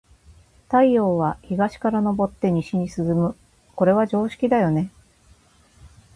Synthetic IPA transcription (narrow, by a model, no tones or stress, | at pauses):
t̪aio̞ːβ̞açiɡaɕi̥kaɾano̞bo̞t̪ːe̞ɲ̟iɕiɲ̟isɨzɨmɯ̟ | ko̞ɾe̞βad͡ʑo̞ːɕi̥kʲid̪ajo̞ne̞